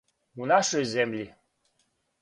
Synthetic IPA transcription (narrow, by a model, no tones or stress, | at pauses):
unɑʃojzemlʲi